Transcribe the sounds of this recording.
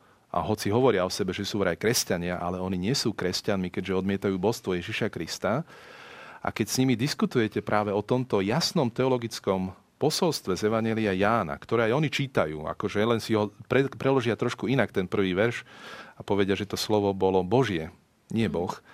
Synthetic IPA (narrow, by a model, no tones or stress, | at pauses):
ʔa̰ɦɔt͡siɦɔʋɔɾɪaɔsɛbɛʒɛsuːʋɾajkɾɛscaɲɪaʔalɛɔniɲɪɛsuːkɾɛscanmikɛɟʒɛɔd̪mɪɛt̪ajuːbɔst̪ʋɔjɛʒiʃakɾist̪a | ʔa̰kɛcsɲimid̪iskut̪ujɛcɛpɾʔaːʋɛɔt̪ɔmt̪ɔjasnɔmt̪ɛɔlɔɡit͡skɔm | pɔsɔlst̪ʋɛzɛʋaɲjɛliajaːna̰kt̪ɔɾɛːajɔnit͡ʃiːt̪ajṵːa̰kɔʒɛlɛnsiɦɔpɾɛpɾɛlɔʒɪat̪ɾɔʃkuinakt̪ɛnpr̩ʋiːʋɛɾʃapɔʋɛɟɪaʒɛt̪ɔslɔʋɔbɔlɔbɔʒɪɛ | ɲɪɛbɔx